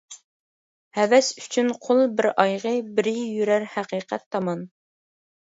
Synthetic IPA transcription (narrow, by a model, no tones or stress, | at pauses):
hɛvɛsy̥t͡ʃʰynqʰolˠbɪɾɑjʁəbɪɾɪjyɾæɾhæqiːqʰɛt̪ʰːɑmɑn